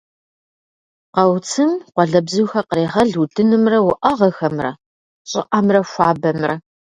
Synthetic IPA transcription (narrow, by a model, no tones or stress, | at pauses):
qɐwt͡sʰɨmqʷɔɮɐbzɨwxɐqɾeːʁɐɮuːdʰɨnɨmrɐwʊʔɐʁɐxɐmrɐ̰ | ɕʼɪ̰ʔɐmrɐʃʷaːbɐmrɐ